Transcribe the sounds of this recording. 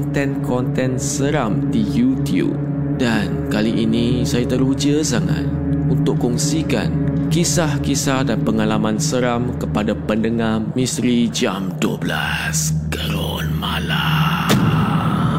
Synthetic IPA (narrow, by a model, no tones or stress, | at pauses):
nt̪ɛ̃nkɔnt̪ɛ̃nsəɾamdijut̪jṵp̚ | dankaliʔinĩsajat̪əɾud͡ʒəsaŋa̰t̪ | unt̪ʊʔkɔŋsika̰nkisahkisahdanpəŋalamãnsəɾamkəpadapəndəŋahmĩst̪ɾid͡ʒamduəbla̰ | skəɾo | nmala